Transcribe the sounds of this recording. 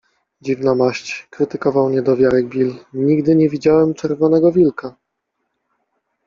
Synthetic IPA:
d͡ʑivnamaɕt͡ɕkɾɘt̪ɘkɔvawɲɛd̪ɔvʲjaɾɛɡ̚bʲilɲiɡd̪ɘɲɛvʲid͡ʑawɛmt͡ʂɛɾvɔn̪ɛɡɔvʲilka

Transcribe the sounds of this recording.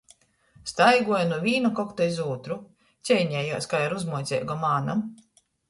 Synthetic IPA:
st̪ajɡuɔjanuɔvʲiːnukɔkt̪aizuːt̪ɾu | t̪sʲɛjɲɛjaːskajaɾuzmuɔjt̪sʲɛ̰ːɡɔmaːnam

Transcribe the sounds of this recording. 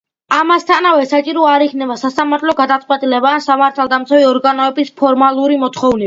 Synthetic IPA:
amast̪ʰanavɛsat͡ʃʼiɾɔaɾikʰnɛbasasamaɾt̪ʰlɔɡad̪at̪sʼqʼwɛt̪ʼilɛbansamaɾt̪ʰalˠd̪amt̪sʰaviɔɾɡanɔɛbispʰɔɾmalˠuɾimɔt̪ʰχɔvni

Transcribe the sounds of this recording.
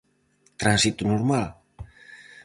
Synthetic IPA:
t̪ɾansit̪unoɾmal

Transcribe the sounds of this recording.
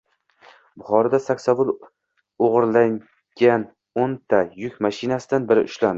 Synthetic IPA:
bʊχɒɾad̪asakʲsavʊlˠ | oʁɨɾlaŋ | ɡʲan | ont̪ʰajʊkʲmaʃɪnasɪd̪anbɪɾɪ̰ʔʊʃland̪ɪ

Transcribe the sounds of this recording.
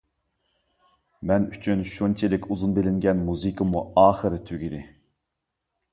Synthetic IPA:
mɛnyt͡ʃʰynʃunt͡ʃʰilɪkʲʰuzunbɪlɪŋɡʲɛnmuzɨkʰəmuɑːχɨɾɨt̪ʰyɡʲid̪ɪ

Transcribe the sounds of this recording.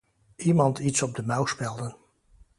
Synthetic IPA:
imɑntʰitsɔb̚dəmawspɛlˠdən

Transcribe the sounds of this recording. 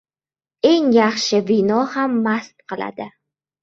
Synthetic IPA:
e̞ŋjaχʃɪvɪnɒhamːast̪̚qʰɨlˠa̰d̪ɪ

